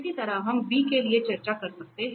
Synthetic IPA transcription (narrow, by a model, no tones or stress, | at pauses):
ʈit̪ɐɾaɦɐmbiːkeliet͡ʃɐɾt͡ʃakɐɾsɐk̚t̪eɦ